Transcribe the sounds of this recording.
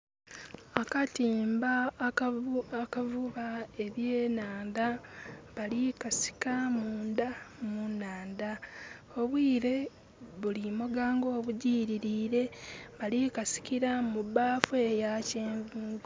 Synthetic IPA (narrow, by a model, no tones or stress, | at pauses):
akatiːmba | akavuβae̞βjeːnaːndaβalikasi̥kamuuːndamunːaːnda | o̞βwiːɾe̞ | βulimoɡaːŋɡo̞ːβuɟiːɾiɾiːɾe̞βalikasi̥kiɾamubaːfue̞jaceːɱviːɡ